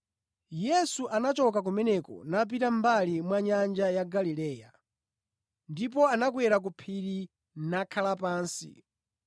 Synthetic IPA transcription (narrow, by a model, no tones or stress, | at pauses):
jɛsuʔanat͡ʃɔk̬ak̬umɛnɛkɔ̰nap̬itambalimwaɲand͡ʒajaɡalilɛːja̰ | ndip̬ɔanak̬wɛɾak̬upʰiɾi | nakʰalapaːnsḭ